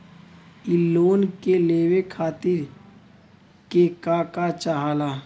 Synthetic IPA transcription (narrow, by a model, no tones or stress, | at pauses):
ɪlːoːnkeleːwekʰaːt̪ɪɾ | kekaːkat͡ʃaɦaːlaː